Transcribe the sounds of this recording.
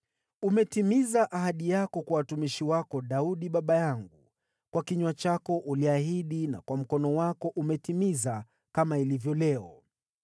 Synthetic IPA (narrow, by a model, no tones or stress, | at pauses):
umɛtimizaʔaɦaɗijakɔkwawatumiʃiwakɔɗauɗiɓaɓajaŋɡu | kwakiɲwat͡ʃakɔʔuliaɦiɗina̰kwam̩kɔnɔwakɔʔumɛtimiza | kamailivjɔlɛɔ